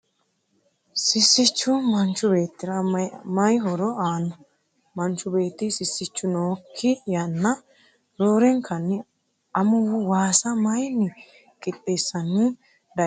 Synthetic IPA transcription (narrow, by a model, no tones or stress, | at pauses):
sɪsːɪt͡ʃːʊmɐnt͡ʃːʊbe̞ːt̪ːɪɾɐmɐjɦɔɾɔaːnːɔ | mɐnt͡ʃːʊbe̞ːt̪ːɪsɪsːɪt͡ʃːʊnoːkʰːɪjɐnːɐ | ɾoːɾɛŋkʰɐnːɪ | ɐmʊwʊwaːsɐmɐjnːɪ | kʼɪp̪ʼːeːsːɐnːi | d̪ɐ